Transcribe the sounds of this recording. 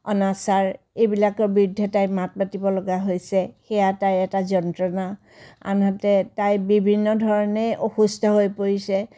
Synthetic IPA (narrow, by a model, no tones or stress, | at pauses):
ɔnasaɹ | ejbilakɔɹbiɹudʱːɛtajmat̚batibɔlɔɡaɦojsɛxɛjatajɛtazɔntɹɔna | a̰nɦɔtɛtajbibʱinːɔdʱɔɹɔnɛʔoxustʰɔɦojpoɹisɛ